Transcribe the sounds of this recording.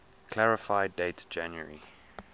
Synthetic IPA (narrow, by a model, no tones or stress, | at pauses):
kʰl̥aɹɪfaɪdetd͡ʒãnjə̰ɹḭ